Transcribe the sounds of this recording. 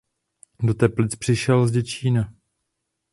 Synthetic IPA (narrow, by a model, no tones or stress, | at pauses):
do̞t̪ɛplɪt͡spr̝̥ɪʃɛlzɟɛt͡ʃiːna